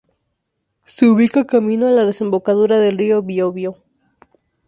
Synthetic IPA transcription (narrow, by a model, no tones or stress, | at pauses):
seuβikakamĩnoalað̞ese̞mbo̞kaðuɾaðe̞lrio̞βjoβjo